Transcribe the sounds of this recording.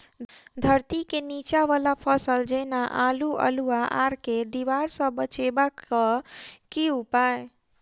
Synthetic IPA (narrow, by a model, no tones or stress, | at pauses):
d̪ʱəɾt̪ikenit͡ʃaʋalapʰəsəld͡ʒenaʔaluʔə̰luaʔaɾked̪iʋaɾsə̃bət͡ʃebakːəkiupae